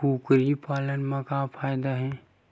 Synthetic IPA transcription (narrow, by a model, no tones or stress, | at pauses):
uːkɾipaːlənmãkapʰaːjd̪aɦɛ̃